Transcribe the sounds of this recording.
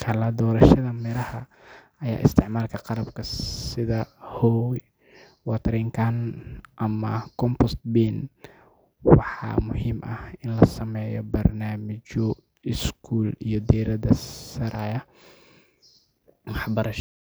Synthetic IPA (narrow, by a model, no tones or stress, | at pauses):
kʰɐlɐd̪ɔːɾɐʃɐðɐmɪɾɐhɐ | ɐja̰ːʔɪ̰st̪ʰɪʕmaːlkʰɐqɑlɐbkʰɐsɪðɐhɔw | wɑt̪ʰɐɾɛŋkʰanʔɐmɐkʰɔmpɔst̪biːn | wɑħɑ̰ːmʊhiːmʔɐhɪnlɐsɐmɛːjɔ̰bɐrnaːmɪt͡ʃɔ | ɪskʰuːlḭjɔd̪iːɾɐðɐsɐɾaːjɐ | wɑħbɐɾɐʃ